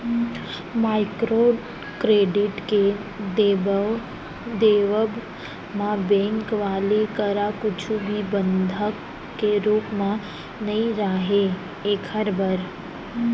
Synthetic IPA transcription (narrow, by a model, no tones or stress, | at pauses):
maːɪkɾo | kɾeːɖɪʈke | d̪e | d̪eːʋəb | mãbɛ̃ŋkʋaːlekəɾakʊt͡ʃʰubʱibənd̪ʱək | kːeɾuːpmã | nɐĩɾaɦe | eːkʰəɾbəɾ